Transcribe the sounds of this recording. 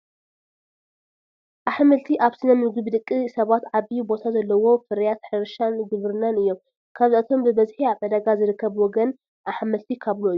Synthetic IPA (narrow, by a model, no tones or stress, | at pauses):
ʔaħmɐlt̪ʰiʔaβsɨnɐmɨɡɨβd̪ɨkʼːɨsɐβat̪ʕaβijubo̞t̪ʰazɐlːɐwo̞fɨɾjat̪ħɨɾʃanɡɨβɾɨnanɨjːo̞m | kʰaβziʔat̪ʰo̞mbɨbɐzħiaβɐd̪ɐɡazɨɾɨkːɐβwɔɡɐn | ʔaħmɐlt̪ʰikʰaβluʔɨjuu